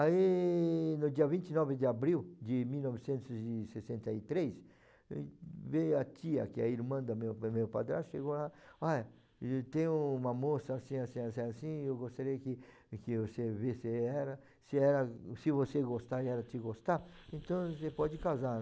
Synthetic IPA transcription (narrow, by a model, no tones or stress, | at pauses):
ai | nʊd͡ʒiɐvĩnt͡ʃ̪inɔvɪd̪ɪabɾiwd͡ʒ̪ɪmiwnɔvɪsẽnt̪ʊzɪsesẽnt̪ɐit̪ɾes | vejɐt̪iɐ̰kɪɐiɾmɐ̃d̪ɐmewmewpad̪ɾãʃeɡolaaj | t̪ẽj̃ũũmɐmosɐːsĩasĩasẽasĩewɡost̪aɾejɐkɪ | kɪvosevesɪɛɾɐ | sɪɛɾɐsɪvoseɡost̪aɛɾɐt͡ʃ̪ɪɡost̪aẽnt̪ɐ̃w̃sepɔd͡ʒɪkawza